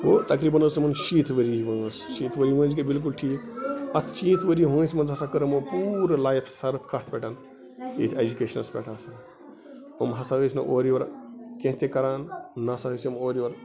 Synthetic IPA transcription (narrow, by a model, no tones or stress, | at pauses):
wot̪ɐkɾiːbɐnəsmɐnʃiːt̪ʰʋəɾiʋɐ̃ŋəsʃiːt̪ʰʋəɾiʋə̃ːd͡ʒkebilk̬ulʈʰiːkɐt̪ʰʃiːt̪ʰʋəɾiɦə̃ːsʲmɐnzɦɐsakəɾɐmopuɾlaːjpʰsɐɾpʰkɐt̪ʰpʲɛʈʰɐn | ḭːt̪ʰed͡ʒukeːʃɐnɐspʲɛ̰ːʈʰaːsɐ | omɦɐsaɦəsnɐʔoːɾiʋɐɾkẽɦt̪ekɐɾaːnːɐɐsaɦəsɐmoːɾiʋɐɾ